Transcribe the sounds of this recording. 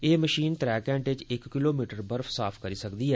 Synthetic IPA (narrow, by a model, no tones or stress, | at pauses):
eːməʃiːnt̪ɾɛːkɛ̃ːɳʈɪt͡ʃɪkːɪloːmiːʈəɾbəɾfʰsaːpʰkəɾiːsəkd̪iːɦɛː